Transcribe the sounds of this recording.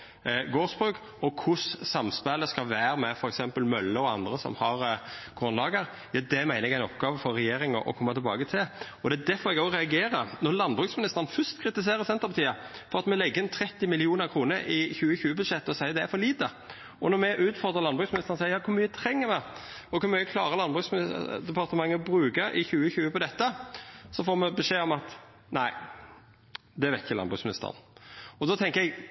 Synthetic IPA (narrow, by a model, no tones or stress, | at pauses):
ɡoːsbɾʉːk | ɔkʰʊssɑmspæləskɑʋæːɾəmɛfɔɾɛksɛmpəlmœlːəɔɑ̰nd̪ʁəsɔ̰mhɑɾɡ̥ɾʉnlɑːɡəɾ | jɑːd̪ɛmæɪnəɛɡæɪnɔpɡɑːʋəfɔɾɛjeːɾɪŋɔ̰ʔɔ̰kʰɔmːəɑt̪ʰɪlbɑ̰ːɡət̪ʰɪlɔd̪æd̪æfɔɾɛɡoːɾɛɑɡeːɾənɔɾlɑnbʁʉːksmɪnɪst̪əɾən̩fœst̪kʰɾɪt̪ɪs̬eːɾəsɛnt̪əpɑt̪ʰiːəfɔɾɑt̪mɛlɛɡːəɾnt̪ʰɾɛt̪ːɪmɪlɪuːnəɾkʰɾuːnəɾʔɪçʉːəçʉːəbʉd̪ʂɛt̪ːɔsæɪəd̪ɛæɾfɔliːt̪ə | ʔɔnɔmɛʔʉːt̪fɔʁd̪ʁəlɑnbʁʉːsmɪnɪst̪əʁənsæɪəjɑːkʰʊɾmyːət̪ʰɾɛŋːəmɛ | ɔkʰʊɾmyːəkʰlɑ̰ːɾəlɑnbʁʉːksmɪ̰d̪ɛpɑʁt̪əmɑŋːəbɾʉːkəɾɪçʉːəçʉːəpɔd̪ɛt̪ːəsɔfoːmɛbɛʂeːɔmɑt̪ | næɪ | d̪ɛʋɛt̪çəlɑnbʁʉ̰ːksmɪnɪ̰st̪ə̰ʁ̰nɔd̪ɔt̪ʰɛŋkəɛɡ